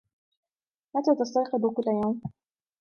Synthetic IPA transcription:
mat̪aːt̪ast̪ɑjqɨb̪kʊlːajawm

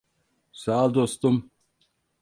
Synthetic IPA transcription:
saːld̪ost̪um

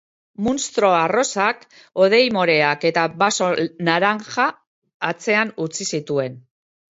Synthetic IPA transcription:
munst̪ɾoaro̞sak | o̞ð̞e̞jmo̞ɾe̞ake̞t̪aβaso̞naɾaŋʝaː | t͡se̞anut͡sisit̪ue̞n

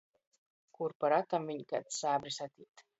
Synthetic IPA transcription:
kuɾpaɾat̪amviɲika̰t̪saːbɾisat̪ʲiːt̪

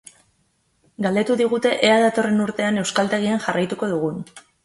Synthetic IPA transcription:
ɡald̪e̞t̪uðiɣ̞ut̪e̞ʔeaðat̪o̞re̞nuɾt̪e̞ane̞wskalt̪e̞ɣ̞ianʝarajt̪uko̞ðuɣ̞un

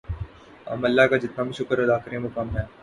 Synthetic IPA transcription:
ɐ̰mɐlːaɦkad͡ʒɪt̪nabʱiʃʊkəɾɐd̪aːkɾẽmokɐmɦɛː

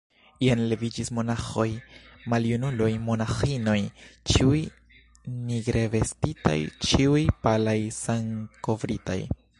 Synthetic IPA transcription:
ianle̞vid͡ʒismo̞naχojmaljunulojmo̞naxino̞jt͡ʃiuj | niɡɾe̞ve̞stita̰jt͡ʃiujpalajsaŋko̞vɾita̰j

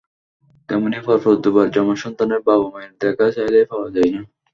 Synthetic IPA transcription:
t̪ɛmonifɔɾfod̪ubaɾd͡ʑɔmoʃɔnt̪aneɾbabomajnd̪ɛkaʃajlajfawad͡ʑajna

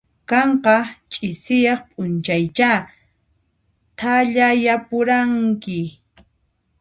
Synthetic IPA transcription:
kɑɴqɑt͡ʃʼɪsɪjɑχpʼʊnt͡ʃajt͡ʃa | t̪ʰaʎajapʊɾaŋkɪ

